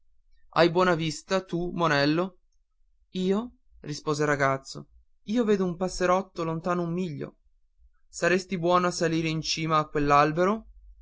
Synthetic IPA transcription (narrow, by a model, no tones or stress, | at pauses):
a̰jbwɔːnavist̪at̪umonɛlːo | iːo | rispoːzeɾaɡat̪sːo̰ | iːoveːd̪oumpasːeɾɔt̪ːolont̪aːnoumːiʎːo̰ | saɾest̪ibwɔːnoasːaliːɾeint͡ʃiːmaːkːwelːalbeɾo